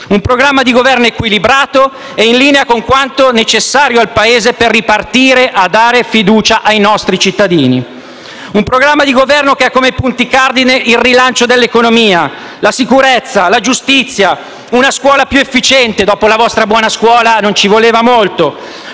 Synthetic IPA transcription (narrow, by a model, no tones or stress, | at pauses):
umpɾoɡɾamːad̪iɡovɛrnoekwilibɾaːt̪o | ɛinliːneakoŋkwant̪onet͡ʃesːaːɾjoalpaeːzeperːipart̪iːɾeʔad̪ːaːɾefid̪uːt͡ʃaʔajnɔst̪ɾit͡ʃit̪ːad̪iːni | umpɾoɡɾamːad̪iɡovɛrnokeakːomepunt̪ikard̪ineilːilant͡ʃod̪elːekonomiːa | lasikuɾet̪sːalad͡ʒust̪it̪sːja | unaskwɔːlapjuefːit͡ʃɛnt̪ed̪ɔːpolavɔst̪ɾabwɔːnaskwɔːlanont͡ʃivoleːvamolt̪o